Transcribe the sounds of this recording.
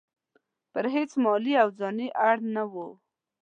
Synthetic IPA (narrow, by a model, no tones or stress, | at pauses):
pəɾɦet͡smɑliawd͡zɑniʔaɽnawo